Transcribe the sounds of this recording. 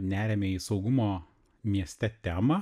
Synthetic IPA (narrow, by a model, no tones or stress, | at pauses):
nʲæːɾʲemʲɛiːsɒʊɡʊmoː | mʲiɛsʲt̪ʲɛt̪ʲæːmɐ